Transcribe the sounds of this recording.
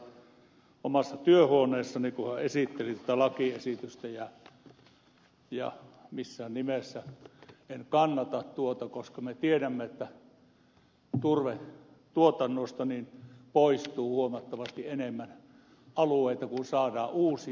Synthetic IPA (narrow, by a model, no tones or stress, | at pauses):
omɑsːɑt̪yøhuoneːsːɑnikuhæesit̪ːelit̪uŏt̪ælɑkiesit̪yst̪æjɑ | jɑ̰misːænimesːæenkɑnːɑt̪ɑtt̪uot̪ɑkoskɑmet̪ieɾæmːeet̪ːæ | t̪urʋen | t̪uot̪ɑnːost̪ɑninpoist̪uːhuomɑt̪ːɑʋɑst̪ienemːæn | ʔɑlueit̪ɑkunsɑːdɑːuːsi